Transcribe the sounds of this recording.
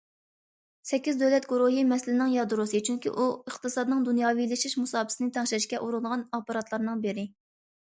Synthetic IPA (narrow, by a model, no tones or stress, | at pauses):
sɛkʲːizd̪ølɛt̪ɡuɾuɦɨmɛslɪnɪŋjɑd̪ɾusɨt͡ʃʰyŋkʲḭʔuəχt̪ɨsɑd̪nɨŋd̪unjɑːvilɪʃiʃmusɑːbɨ̥sɨnɪt̪ʰɛŋʃɪɾɪʃkʲɛʔuɾulˠʁɑnɑpɑɾɑt̪ʰlˠɑɾnɨŋbɪɾɪ